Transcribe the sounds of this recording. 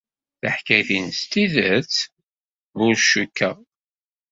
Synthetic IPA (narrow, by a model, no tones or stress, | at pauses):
θəħkæθinst̪iðət͡s | ʊɾʃukːæ